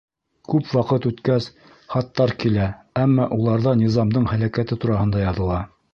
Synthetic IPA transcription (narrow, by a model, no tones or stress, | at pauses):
kʉpwɑqɤt̪ʉt̪kæs | χɑt̪ːɑɾkilæ | æmːɑʔulˠɑɾðɑnʲizɑmd̪ɤɴhælækæt̪ɘt̪uɾɑhɤ̆nd̪ɑjɑðɤ̆lˠɑ